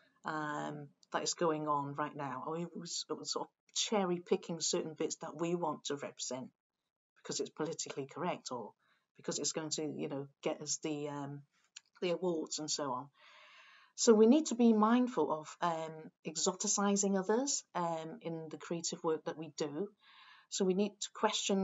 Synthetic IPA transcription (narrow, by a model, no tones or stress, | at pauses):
ʔʌ̃mðəɾɪsɡ̥oʊɪ̃ŋə̃nɹaɪʔnaʊə̰wizwsɔɹtv̥ | t͡ʃʰɛɹipʰɪkʰɪ̃ŋsɜˑ˞ʔn̩bɪtsðəʔwiwɒ̃ntʰəɹɛ̰pʰɹ̥ɪz̥ɛ̃nʔ | b̥ɪ̥kʰʌzɨtspʰəlɪtɪkʰlˠikʰəɹɛk̚tʰə | b̥ɪkʰʌzɨtsɡ̥oʊɪ̃ŋtʰɨjɨ̰noʊɡ̥ɛʔəzðiʌ̃m | ðiəwɔɹdz̥ə̃nsoʊɑ̃n | soʊwiniːd̚tʰəbimãɪ̃nd̥fəlˠʔəv̥ʌ̃mɛɡzɒtɪsaɪzɪ̃ŋʌðəz̥ʔʌ̃mɪ̃nðɨkʰɹ̥ieɪtɪvwɜˑ˞k̚ðəʔwidə | soʊwiniːd̚tʰə̥kʰw̥ɛst͡ʃə̃n